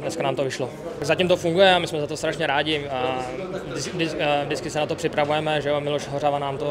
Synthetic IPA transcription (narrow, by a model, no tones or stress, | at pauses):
dnɛskanaːmt̪ovɪʃloaɡzacimt̪ofuŋɡujɛamɪsmɛzat̪ost̪ɾaʃɲɛɾaːɟɪ | dɪvdɪvdɪt͡skɪsɛnat̪opr̝̥ɪpɾavujɛmɛʒɛjomɪloʃɦoravanaːmt̪o